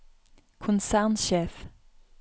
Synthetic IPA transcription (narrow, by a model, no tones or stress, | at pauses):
kʰʊnsæʁnʃeːf